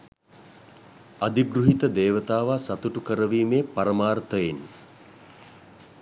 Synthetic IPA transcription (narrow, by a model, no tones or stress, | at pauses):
ad̪iɡɾuɦit̪əd̪eːʋət̪aːʋaːsat̪uʈukəɾəʋiːmeːpaɾəmaːɾt̪əjin